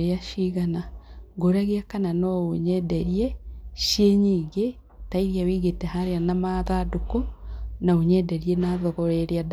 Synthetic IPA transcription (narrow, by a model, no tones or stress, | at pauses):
ɾeaʃiɣanaɡoɾaɣeakananɔoɲɛdɛɾieʃjeɲiːɡe | taiɾijawiɣetehaɾeanamaðadukonaoɲɛdeɾienaðɔɣɔɾeɾead